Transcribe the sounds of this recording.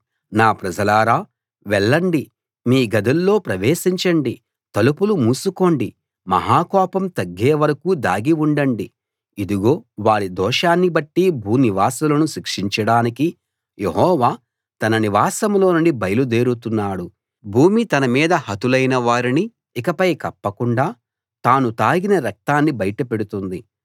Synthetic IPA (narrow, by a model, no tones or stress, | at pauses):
naːpɾɐd͡ʒɐlaːɾaː | ʋɛɭːɐɳɖi | miːɡɐd̪ɐlːo̞ːpɾɐʋeːsiɲt͡ʃɐɳɖi | t̪ɐlupulumuːsuko̞ːɳɖi | mɐ̰ɦaːkɔːpɐmt̪ɐɡːeːʋɐɾɐkuːd̪a̰ːɡiʋuɳɖɐɳɖi | id̪uɡo̞ːʋaːɽid̪ɔːʃaːnːibɐʈːibʱuːniʋaːsɐlɐnuʃikʂiɲt͡ʃɐɽaːniki | jʔe̞̰ɦɔːʋaː | t̪ɐnɐniʋaːsɐmlo̞ːnuɳɖibɐjɐlud̪e̞ːɾut̪unːaːɽu | bʱuːmit̪ɐnɐmiːd̪ɐhɐt̪ulɐjnɐʋaːɾiniː | kɐpɐjkɐpːɐkuɳɖaː | t̪aːnut̪aːɡinɐɾɐk̚t̪aːnːibɐjɐʈɐpe̞ɽut̪und̪i